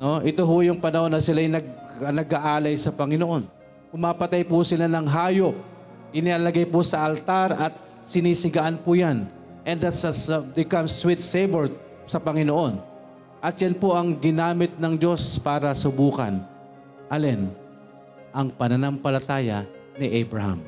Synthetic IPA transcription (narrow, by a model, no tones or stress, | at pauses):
noʔɪt̪oɦʊjʊŋpɐnɐho̞nːɐsɪlajnɐɡ̚nɐɡaʔaːlɐjsɐpɐŋɪnoʔo̞n | pʊmaːpɐt̪ajpʊsɪlanɐŋɦaːjo̞p̚ | ɪnɪaːlɐɡajpʊsɐʔɐlt̪aɾʔɐt̪̚ | sɪniːsɪɡaʔanpʊjan | ʔɛnd̪at̪sɐd̪ɪkɐmswit̪sevɛɹd̪̚ | sɐpɐŋɪnoʔo̞n | ʔɐt̪̚janpoʔɐŋɡɪnaːmɪt̪̚nɐŋd͡ʒo̞spaːɾɐsʊbuːkɐ̰n | ʔɐlɛn | ʔɐŋpɐnɐnampɐlɐt̪aːjɐ̰ | nɪʔɛjbɹɐha̰m